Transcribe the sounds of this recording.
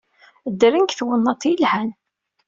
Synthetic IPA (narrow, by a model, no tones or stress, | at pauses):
d̪ɾəŋkθwənːɑt̪ˤːjəlhæn